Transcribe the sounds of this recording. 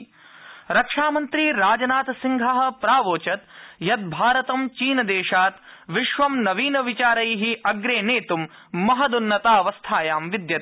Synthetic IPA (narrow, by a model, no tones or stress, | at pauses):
ɾɐkʂaːmɐnt̪ɾiːɾaːd͡ʒɐnaːt̪siŋɡʱɐɦɐ̆pɾaːʋoːt͡ʃɐt̪jɐt̪̚bʱaːɾɐt̪ɐmt͡ʃiːnɐd̪eːʃaːt̪ʋiʃʋɐmnɐʋiːnɐʋit͡ʃaːɾɐjɦiʔɐɡɾeːneːt̪umː | ɐɦɐd̪unːɐt̪aːɐʋɐst̪ʰaːjaːmʋid̪jɐt̪